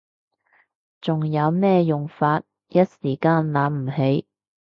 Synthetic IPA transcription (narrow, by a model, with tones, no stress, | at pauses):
t͡sʊ˨ŋjɐ˨˧wmɛː˥jʊ˨ŋfaː˧t̚ | jɐ˥t̚siː˨˩kaː˧nlaː˨˥m̩˨˩he˨˥j